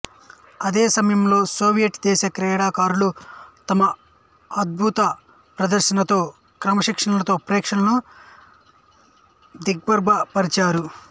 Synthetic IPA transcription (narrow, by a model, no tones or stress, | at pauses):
ɐd̪eːsɐmɐjɐmlo̞ːsoːʋijɐʈd̪ɛːʃɐkɾɛːɽaːkaːɾulut̪ɐmɐ | ɐd̪̚bʱut̪ɐ | pɾɐd̪ɐɾʃɐnɐt̪o̞ː | kɾɐmɐʃikʂɐnɐlɐt̪o̞ːpɾɛːkʂɐnɐnu | d̪iɡ̚bɐɾbʱɐpɐɾit͡ʃaːɾu